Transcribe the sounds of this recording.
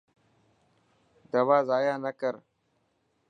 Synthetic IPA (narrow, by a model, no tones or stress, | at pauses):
d̪ɐwaːzaːjaːnɐkəɾ